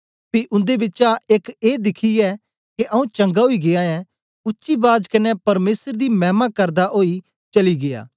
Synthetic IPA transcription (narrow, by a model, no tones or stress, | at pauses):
piʔʊ̃nd̪ebɪt͡ʃaʔekeːd̪ɪkʰiɛ | keʔɐũt͡ʃɐ̃ŋɡaɦoiɡejaɛ | ʊtːʃibaːd͡ʒkɐnɛpɐɾmeːsəɾd̪imɛːmakɐɾd̪aʔoːi | t͡ʃɐliɡeja̰ː